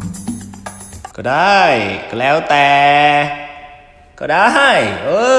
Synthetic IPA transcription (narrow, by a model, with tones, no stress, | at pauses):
kɔ˧ɗa˧jkɔ˧˩lɛ˨˧˦wt̪ɛː˨ | kɔ˧ɗa˧˦ɦa˧˩jʔə˧